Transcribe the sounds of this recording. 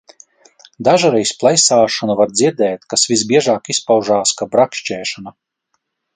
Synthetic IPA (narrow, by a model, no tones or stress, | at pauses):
d̪aʒaɾɛjsplˠajsaːʃɔnavaɾd̪ziɾd̪ɛːt̪kasvizbiɛʒaːkispawʒaːskabɾakʃt͡ʃɛːʃana